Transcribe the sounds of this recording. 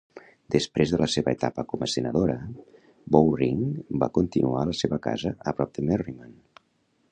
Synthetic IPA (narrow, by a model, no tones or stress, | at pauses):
d̪̥əspɾezðələseβəət̪apəkɔməsənəðoɾə | bowriŋba̰kunt̪inualəseβəka̰zəəpɾɔp̚d̪əmeriman